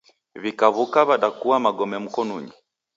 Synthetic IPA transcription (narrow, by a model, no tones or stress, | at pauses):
βikaβukaβaɗakuwamaɡɔmɛm̩kɔnuɲi